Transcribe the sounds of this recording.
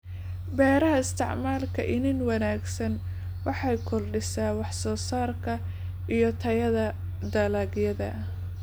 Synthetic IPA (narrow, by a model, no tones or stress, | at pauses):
bɛːɾɐɦɐɪst̪ʰɪʕmaːlkʰɐ̰ʔɪnɪnwɐnaːɡsɐn | wɑħɑjkʰɔrɖɪsaːwɑħsɔːsaːrkʰɐ | ʔijɞt̪ʰɐjɐðɐ | d̪ɐlaːɡjɐðɐ̰